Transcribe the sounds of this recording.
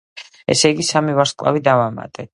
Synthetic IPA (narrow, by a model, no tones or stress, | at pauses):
ɛ̰sɛjɡisamivaɾskʼlˠa̰vid̪avama̰t̪ʼɛ